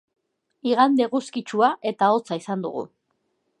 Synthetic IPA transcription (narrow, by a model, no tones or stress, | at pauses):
iɣand̪e̞ɣuskit͡ʃuaʔe̞t̪ao̞t͡saisand̪ṵɣ̞ṵ